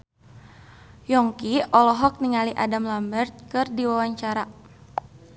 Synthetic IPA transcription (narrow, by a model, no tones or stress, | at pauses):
jɔŋkiɔlɔɦɔk̚niŋaliʔadamlambərt̪̚kɨrdiwawaɲt͡ʃaɾa